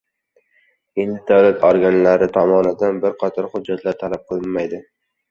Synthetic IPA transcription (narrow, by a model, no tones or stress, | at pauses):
end̪ɪd̪awlat̪ʰɒɾɡʲanlaɾɪt̪ʰɒmɒnɪd̪anbɪɾqʰɒt̪ʰɒɾχʊd͡ʒːat̪ʰlaɾt̪ʰalap̚qʰɨlˠɪnmajd̪ɪ